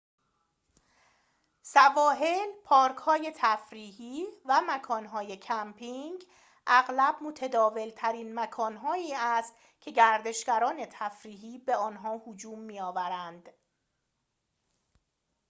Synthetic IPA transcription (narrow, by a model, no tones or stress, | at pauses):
sævɒːɦe̞lpʰɒːɾkʰhɒːje̞t̪ʰæfɾiːɦiːvæmækʰɒːnɦɒːjecʰæmpʰiŋɡ | ʔæɣlæb̥mot̪ʰæd̪ɒːve̞lt̪ʰæɾiːnmækʰɒːnɦɒːiːæst̪ | cʰe̞ɟæɾd̪e̞ʃɡæɾɒːne̞t̪ʰæfɾiːɦiːbeɒːnɦɒːhod͡ʒuːmːiːjɒːvæɾænd̪̥